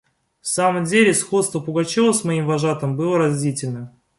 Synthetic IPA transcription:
fsaməmdʲelʲɪsxo̞t̪st̪vəpʊɡɐt͡ɕovˠəsmɐimvɐʐat̪əmbɨlˠəɾɐzʲdʲitʲɪlʲnə

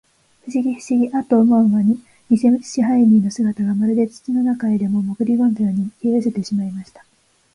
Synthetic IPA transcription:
ɸɯ̟ɕiɡʲiɸɯ̟̥ɕiɡʲiʔat̪oːmõɯ̃βaɲ̟i | ɲʲiseɕiɦainʲiːno̞sɨɡat̪aɡamaɾɯ̟d̪e̞t͡sɨ̥t͡sino̞nakaed̪e̞mo̞mo̞kɯ̟ɾʲiɡõ̞nt̪eoɲ̟ikʲiɯse̞t̪e̞ɕimaimaɕi̥t̪ḁ

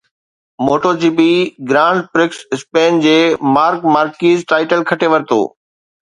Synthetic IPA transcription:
moːʈoːd͡ʑiːpiɡɾãːɳɖpɾɪksɪspẽːnd͡ʑeːmaːɾkmaːɾkiːzʈaːɪʈəlkʰɐʈʰeʋɐɾt̪o̰ː

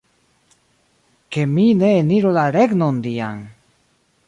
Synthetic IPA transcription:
ke̞mine̞ːniɾolaɾe̞ɡnondia̰n

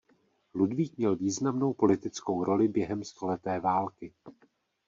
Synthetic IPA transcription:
ludviːk̚mɲɛlviːznamno̞wpo̞lɪt̪ɪt͡sko̞wɾʔo̞lɪbjɛɦɛmst̪o̞lɛt̪ɛːvaːlkɪ

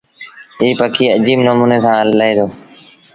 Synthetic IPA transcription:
iːpəkʰiːəd͡ʒiːbnoːmuːneːsãːləeːd̪oː

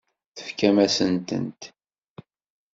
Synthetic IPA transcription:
θə̥fkæmæsənt̪ə̰nt̪

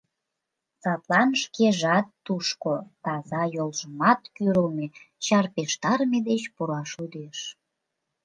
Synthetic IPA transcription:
sɑt̪lɑnʃkeʒɑt̪ːuʃkot̪ɑzɑjolʒəmɑt̪kyɾəlmet͡ɕɑrpeʃt̪ɑrmed̪et͡ɕpuɾɑʃud̪eʃ

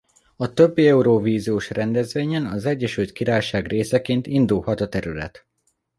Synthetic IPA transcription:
ɒt̪ø̞bːiɛuɾoːviːzioːʃrɛnd̪ɛzʋeːɲɛnɒzɛɟːɛʃylt̪̚kiɾaːjʃaːɡreːsɛkeːnt̪ind̪ulhɒt̪ɒt̪ɛɾylɛ̰t̪

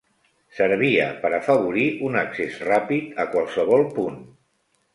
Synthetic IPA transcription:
səɾβ̞iə̰pəɾafəβ̞uɾiʔunəksesrapit̪əkwalˠsəβ̞ɔlˠpun

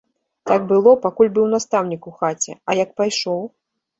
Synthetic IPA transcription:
t̪aɡ̚bɨlˠɔpakulʲbɨwnast̪awnʲikuxat͡sʲɛ̰ɐjɐk̚pajʂɔw

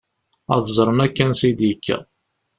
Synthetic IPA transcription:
æ̰ðzˤɾˤənækːænsid̪jəkʰːæ̰

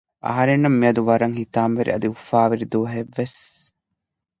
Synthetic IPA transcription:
ʔɐ̰ɦɐɾenːɐmːiɐd̪uʋɐɾɐŋhit̪aːmʋeɾḭɐd̪iufaːʋiɾid̪oːɦeʋːes

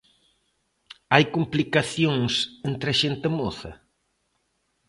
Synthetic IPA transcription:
ajkumplikaθjoŋsent̪ɾɐʃent̪ɪmoθɐ̰

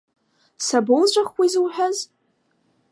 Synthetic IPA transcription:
sabolʒʷʼaχwʷizwħʷᶣaz

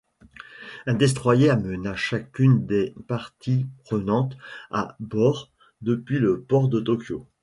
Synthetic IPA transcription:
ɛ̃d̪ɛs̬t̪χwajeamənaʃakʲynd̪epaʁt̪ipχənɑ̃t̪a̰bɔʁ | d̪əpɥiləpɔʁd̪ət̪ɔkʲjo

